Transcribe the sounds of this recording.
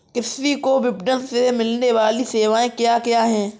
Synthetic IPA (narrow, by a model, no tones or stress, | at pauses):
kɪsʋikoʋɪbnəlsemɪlneʋaːliseːʋaːẽkjaːkjaːɦɛ̃ː